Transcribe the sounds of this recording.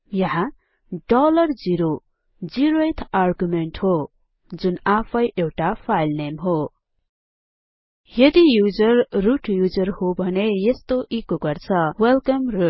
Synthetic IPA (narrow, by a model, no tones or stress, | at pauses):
jʌɦã | ɖʌlʌrd͡ziɾo | d͡ziɾoet̪ʰarɡumeɳʈho | d͡zunapʰʌjʔewʈapʰajlnemɦo | jʌd̪ijud͡zʌrruʈʰjud͡zʌrhobʱʌnejest̪oʔikoɡʌrt͡sʰʌwelkʌmruʈ